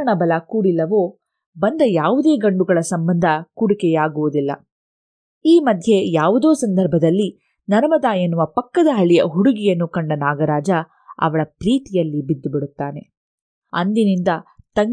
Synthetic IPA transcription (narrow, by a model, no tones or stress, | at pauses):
ɐɳɐbɐlɐkuːɽilːɐʋo̞ː | bɐnd̪ɐjaːʋud̪e̞ːɡɐɳɖuɡɐɭɐsɐmbɐnd̪ʱɐkuɽikɛjaːɡuʋud̪ilːɐ̰ | iːmɐd̪ʱje̞jaːʋud̪o̞ːsɐnd̪ʱɐɾbʱɐd̪ɐlːi | nɐɾɐmɐd̪aːjɐnːuʋɐpɐkːɐd̪ɐɦɐɭijɐ̰ɦuɽuɡijɐnːukɐɳɖɐnaːɡɐɾaːd͡ʒɐ | ɐ̰ʋɐɭɐpɾiːt̪ijɐlːibid̪ːubiɽut̪ːaːne̞ | ɐ̰nd̪inind̪ɐt̪ɐŋ